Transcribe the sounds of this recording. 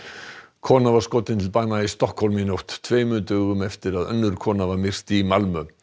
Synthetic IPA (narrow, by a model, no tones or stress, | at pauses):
kʰɔːnavaɾ̥skoːt̪ɪnt̪ʰɪlpaːnaist̪ɔhkhɔlminowht̪ːʰveːjmʏːt̪ʏɣʏmɛft̪ɪɾaðœ̰nːʏɾ̥kʰɔːnavamɪr̥t̪imalmʏ